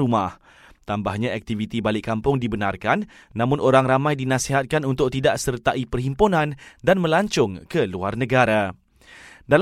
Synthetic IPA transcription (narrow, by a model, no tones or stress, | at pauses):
umah | t̪ambahɲãɛk̚t̪ivit̪ibalɪʔkːampʊŋdibənarkanː | ãmʊ̃nʔoɾaŋramãjdinãsiɦat̪̚kanunt̪ʊk̚t̪idaʔsərt̪aʔipərhimponãndanmə̃laɲt͡ʃʊŋkəluarnə̃ɡaɾa | dal